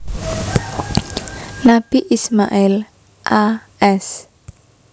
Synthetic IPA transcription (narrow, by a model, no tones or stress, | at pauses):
nab̥iʔisma̰ʔil | ʔa | ɛs